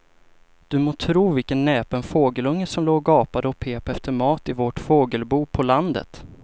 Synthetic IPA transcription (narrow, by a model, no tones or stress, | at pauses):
d̪̥ɵmoːt̪ʰɾuːvɪlkənːɛːpənfoːɡəlɵŋːəsɔmloːɡɡɑːpad̪əɔpʰeːpaɛft̪əɾmɑːt̪ɪvɔʈfoːɡəlbuːpʰɔland̪ə̰t̪